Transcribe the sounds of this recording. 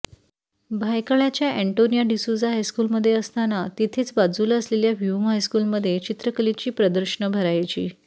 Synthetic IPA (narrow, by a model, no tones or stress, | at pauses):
bʱajkəɭjat͡ɕjaʔɛɳʈonijaɖisud͡zaɦajskuːlməd̪ʱːjeəst̪anat̪it̪ʰiːt͡sbad͡zuːləsleljaʋjumɦajskuːlməd̪ʱːjet͡ɕit̪ɾəkəlit͡ɕiːpɾəd̪əɾɕəɳəbʱəɾajt͡ɕiː